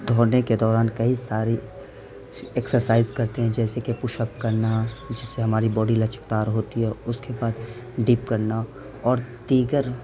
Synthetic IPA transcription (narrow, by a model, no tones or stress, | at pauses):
d̪ʱoːneked̪ɔːɾaːnkɐɦisaːɾe | eksəɾsaːɪzkɐɾt̪eɦɛ̃d͡ʒɛːsekepʊʃəp̚kɐɾnad͡ʒɪsːeɦɐmaːɾibɔːɖilɐt͡ʃə̥kt̪aːɾɦoːt̪iɦɛʊskebaːd̪ | ɖiːpkɐɾna | ɔːɾd̪iːɡəɾ